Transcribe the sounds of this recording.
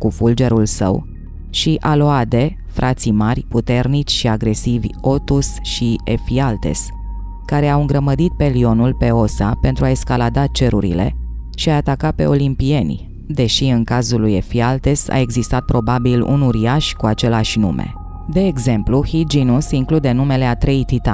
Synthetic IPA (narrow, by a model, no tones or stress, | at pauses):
kufuld͡ʒe̞ɾulsə̰w | ʃiʔalo̞ad̪e̞ | fɾʔat̪simarʲput̪e̞rnit͡ʃʲʃiaɡɾe̞sivʲo̞t̪usʃiefialt̪e̞̰s | kaɾe̞awɨŋɡɾəməd̪it̪̚pe̞lio̞nulpe̞o̞sape̞nt̪ɾuaeskalad̪at͡ʃe̞ɾuɾḭle̞̰ʃiaːt̪akape̞̰o̞limpie̞nʲ | d̪e̞ʃiɨŋkazuluje̞fialt̪e̞sa̰e̞ɡzist̪at̪̚pɾo̞babilṵnuɾiaʃkuat͡ʃe̞leaʃʲnṵme̞̰ | d̪e̞ːɡze̞mpluhid͡ʒinusiŋklud̪e̞nume̞le̞at̪ɾe̞jt̪it̪a